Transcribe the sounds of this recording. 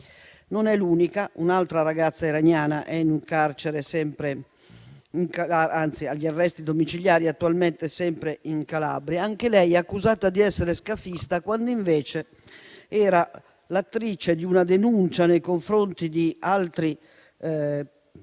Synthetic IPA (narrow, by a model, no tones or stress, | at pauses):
nonɛluːnikaunalt̪ɾaɾaɡat̪sːaiɾaɲjaːnaʔɛnuŋkaɾt͡ʃeɾesɛmpɾe | iŋkaaant̪siaʎːiarːɛst̪id̪omit͡ʃiljaːɾiat̪ːualmɛnt̪ɛsɛmpɾeiŋkala̰bɾiaaŋkelɛjɛakːuzaːt̪ad̪iɛsːeɾeskafist̪akwand̪oiɱvɛːt͡ʃe | ɛːɾa | lat̪ːɾit͡ʃed̪iunad̪enunt͡ʃanejkoɱfɾont̪id̪ialt̪ɾi